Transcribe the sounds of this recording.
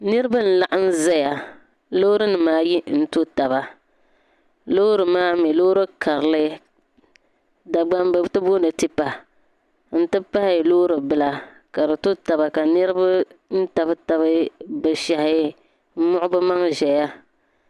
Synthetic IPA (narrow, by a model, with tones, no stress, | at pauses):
nɨ˦ɾɨ˦ba˦n̩˦la˦ʔa˦n̩˦za˦ja˨ | loː˦ɾɨ˦nɨ˨maː˦ji˦n̩˦to˦ta˨ba˨ | lo˦ɾɨ˨maː˦mɛ˨lo˦ɾɨ˦kʰa˨ɾɨ˨lɨ˦ | da˨ɡ͡ba˦mbɨ˨˦tɨ˦bo˦nɨ˨ti˦pa˨ | n̩˦tɨ˦pa˦hɪ˦˨loː˦ɾɨ˨bɨ˦la˦ | ka˨dɨ˨to˦ta˨ba˨ka˨nɨ˦ɾɨ˦ba˦n̩˦ta˨bɨ˦ta˨βɨ˦bɨ˨ʃa˨hɪ˦ | m̩˦mʊ˦ʔʊ˦bɨ˦ma˦ŋʒɛ˨ja˦